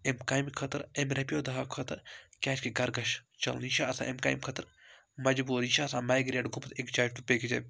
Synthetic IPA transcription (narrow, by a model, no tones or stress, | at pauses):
emkaːjmkʰɐt̪ɾemɾɐpijoːd̪ɐɦaːkʰɐt̪ɾkʲaːt͡ʃkeɡɐɾɡɐʃt͡ʃɐ̰lniʃaːɐsã̰ːʔemka̰ːjmkʰɐt̪ɨɾ | mɐd͡ʒbuːɾiʃaːsãːmaːjɡɾeːʈɡupt̪ekd͡ʒaːd͡ʒt̪upeɡid͡ʒɐ